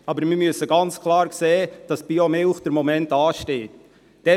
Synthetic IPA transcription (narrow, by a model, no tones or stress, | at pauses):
ɑbəɾmɪmyəsəɡɑnt͡skʰlˠɑːɾkseːd̥ɑsb̥iomelχd̥əɾmɔmɛntɑːʃteːt | d̥ɛ